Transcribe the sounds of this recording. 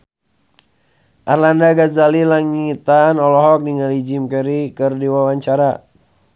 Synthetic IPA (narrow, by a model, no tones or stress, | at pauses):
ʔarlandaɡazalilaŋit̪anɔlɔɦɔk̚diŋalid͡ʒimkɛɾikɨrdiwawaɲt͡ʃaɾa